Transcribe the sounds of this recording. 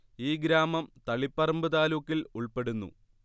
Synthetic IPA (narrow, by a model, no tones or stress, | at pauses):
iːɡɾaːmɐmt̪ɐɭipːɐrɐmbɨðaːlukːiluɭpe̞ɽunːṵ